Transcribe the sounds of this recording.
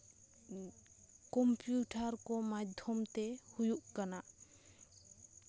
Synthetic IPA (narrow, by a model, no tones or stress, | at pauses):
kɔmpjuʈaɾkɔmad̪ʱjɔmt̪ɛhujuʔkana